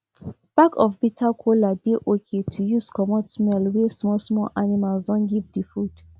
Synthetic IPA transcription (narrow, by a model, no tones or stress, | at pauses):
b̥akɔfbitʰakʰoladeʔokʰetʰujuskɔmɔtsmɛlwɛsmɔlsmɔlʔanimalsdɔ̃nɡivdifud̥